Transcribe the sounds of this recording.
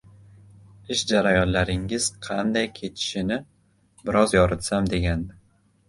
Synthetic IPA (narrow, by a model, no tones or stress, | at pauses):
ɪʃd͡ʒaɾajɒnlaɾɪŋɪz̥qʰɑnd̪ajkʲʰe̞t̪ʰɪ̥ʃɪnɪ | bɪɾʔɒzjɒɾɪt̪samd̪e̞ɡʲan